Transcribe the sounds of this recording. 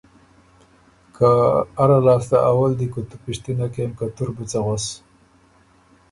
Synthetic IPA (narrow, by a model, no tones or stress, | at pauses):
kʰaaɾalɑːst̪aʔawald̪ikot̪upɪʂt̪inakemkat̪uɾbit͡saɣas